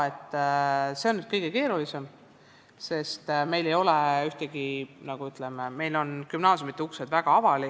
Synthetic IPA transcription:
et̪ːˑseo̞nːyd̪̥kɤjɡ̥e̞ke̞ːɾulise̞m | se̞st̪me̞jle̞jo̞leyht̪eɡ̥inɑɡ̥uyt̪ːˑlememe̞jlo̞nkymnɑːsjomit̪ːˑeuksed̪̥væɡ̥ɑɑvɑli

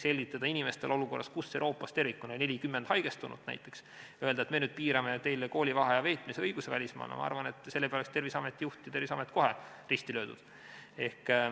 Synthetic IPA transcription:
se̞lʲɡit̪ːˑɑd̪̥ɑinime̞st̪e̞lo̞luko̞rːʔɑ̰skusːewɾo̞ːpːˑɑst̪e̞rvikːˑunone̞lʲikymːend̪̥hɑjɡ̥e̞st̪unṵd̪̥næ̰jt̪ːˑe̞ks | øeld̪ɑet̪me̞nyːd̪̥̚piːɾɑme̞t̪e̞jlko̞ːlʲivɑɦɑjɑve̞ːt̪ˑmiseɤjɡ̥usevælʲismɑ̰ːnɑ̰mɑ̰ɑ̰ɾvɑne̞t̪ːˑse̞lːepeoekst̪e̞rvisɑmet̪ːijuht̪jɑt̪e̞rvisɑmet̪ːˑko̞ɦe̞ | rist̪ilø̞ːd̪ṵd̪̥ | e̞hk

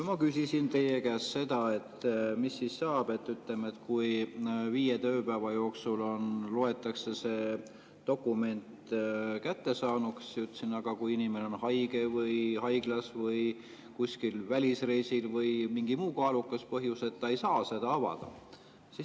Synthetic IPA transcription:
mɑkysʲisint̪e̞jekæːsse̞d̪̥ɑe̞t̪ːmisːissɑːb̥e̞t̪ːyt̪le̞me̞t̪kujviːjet̪øːpæːvɑjo̞ːksulo̞nloe̞t̪ːˑɑkse̞se̞ː | t̪o̞kːˑume̞nt̪kæt̪ːe̞sɑːnuksjut̪ːsinɑɡ̥ɑkujinimeneo̞nhɑjɡ̥e̞vɯjhɑjɡ̥lɑsvɤj | kusʲkilvælʲisre̞jsilvɤjmiŋɡ̥imuːkɑːlukːˑɑspɤɦjuse̞t̪ːɑejsɑːse̞d̪ɑɑvɑ̰d̪̥ɑ̰ | sis

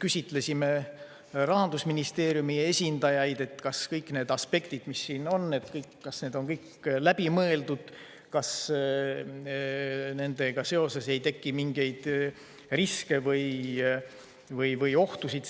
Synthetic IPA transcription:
kysʲit̪ˑle̞sʲime̞ | rɑɦɑnd̪̥usminist̪e̞ːɾjumie̞sʲind̪ɑjɑjd̪̥e̞t̪kɑskɤjkˑne̞ːd̪ɑspe̞kt̪id̪̥misːiːno̞nːet̪kɤjkːɑsneːd̪o̞nkɤjk | læb̥imɤe̞ld̪ud̪̥ | kɑs | ne̞nd̪e̞ɡ̥ɑse̞o̞se̞se̞jt̪e̞kːimiŋɡe̞jd̪̥ | riske̞vɤj | vɤjvɤjo̞ht̪usid̪̥

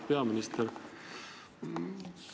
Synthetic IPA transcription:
peɑminist̪eɾ

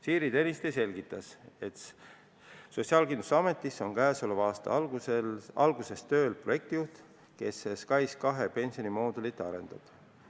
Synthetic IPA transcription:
siːɾit̪e̞nʲist̪ejse̞lʲɡ̥it̪ːˑɑse̞t̪ | so̞t̪ʲsiɑːlkind̪u̥sɑme̞t̪ːˑiso̞nkæːso̞levɑːst̪ɑ̰ | ɑlɡ̥use̞st̪ø̞ːlpro̞je̞k̚t̪ijuht̪ | ke̞seskɑjskɑɦe̞pe̞nʲsionimo̞ːd̪ulit̪ːˑɑɾe̞̰nd̪̥ɑ̰d̪̥

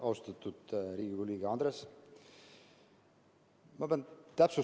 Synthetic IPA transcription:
ɑwst̪ɑt̪ːud̪̥ɾiːɡikoliːɡeɑnd̪ɾes | mɑbent̪æpsu

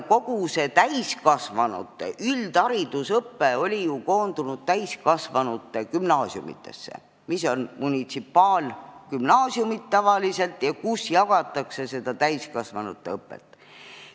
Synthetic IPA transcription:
ko̞ɡ̥use̞t̪æjskɑsvɑnṵt̪ːˑḛʔyld̪ɑɾid̪usɤpːe̞o̞lʲijuko̞ːnd̪̥unud̪̥̚t̪æjskɑsvɑnut̪ːˑekymnɑːsjṵmḭt̪ːˑe̞̰sːḛ | miso̞nmunʲit̪sipːˑɑːlkymnɑːsjumit̪t̪ːɑvɑlise̞lt̪jɑkusjɑɡ̥ɑt̪ːˑɑkse̞se̞d̪̥ɑt̪æjskɑsvɑnut̪ˑːeɤpːˑḛt̪ːˑ

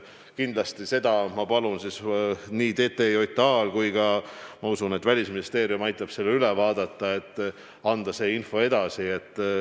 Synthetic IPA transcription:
kind̪lɑst̪ise̞d̪ɑmɑpɑlunsisniːt̪e̞ːt̪ːeio̞jt̪ːˑɑːlkujɡɑmɑusune̞t̪ːˑvælʲisminist̪e̞ːɾiumɑjt̪ːˑɑb̥se̞lːeylɛvɑːd̪̥ɑt̪ːɑe̞t̪ːˑ | ɑnd̪̥ɑse̞ːinfo̞e̞d̪̥ɑsie̞t̪ːˑ

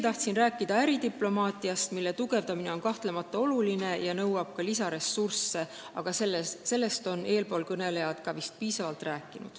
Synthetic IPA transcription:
t̪ɑht̪sinræːkːˑid̪̥ɑæɾit̪iplo̞mɑːt̪ˑiɑst̪milːe̞t̪uɡ̥e̞vd̪̥ɑmine̞o̞nkɑht̪le̞mɑt̪ˑːɑo̞luline̞jɑnɤwɑb̥̚kɑlisɑɾe̞sːursːe̞ | ɑ̰ɡ̥ɑselselːe̞st̪o̞ne̞ːlpo̞ːlkɤne̞le̞jɑd̪̥kɑvist̪̚piːsɑvɑlt̪ræːkˑːinṵd̪̥

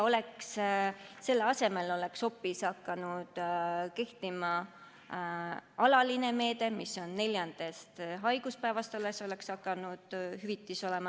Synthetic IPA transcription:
o̞le̞ksː | e̞lːeɑse̞me̞lo̞le̞kso̞pːisɑkːɑnud̪̥ke̞ht̪imɑ | ɑlɑline̞me̞ːd̪̥e̞misːo̞nːe̞lʲjɑnd̪̥e̞st̪ɦɑjɡ̥uspæevɑst̪ɑleso̞le̞ksɑkːˑɑnud̪̥hyvit̪ːˑiso̞le̞mɑ

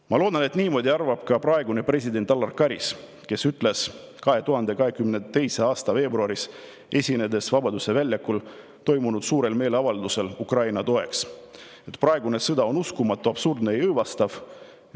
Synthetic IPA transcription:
mɑlo̞ːd̪̥ɑne̞t̪niːmo̞ːd̪iɑrvɑb̥kɑprɑeɡune̞pre̞sʲid̪e̞nt̪ɑlːɑrkɑɾis | ke̞syt̪ˑle̞s | kɑɦe̞t̪uɦɑnd̪e̞kɑɦe̞kymnet̪e̞jseɑːst̪ɑve̞ːbruɑɾis | e̞sʲine̞d̪e̞svɑbɑd̪use̞vælʲːjɑkul | t̪o̞jmunud̪̥suːɾe̞lme̞ːleɑvɑld̪use̞lukrɑjnɑt̪o̞e̞ks | e̞t̪prɑe̞ɡunesɤd̪ɑo̞nuskumɑt̪ːˑuɑb̥surd̪neejɤjvɑst̪ɑv̥

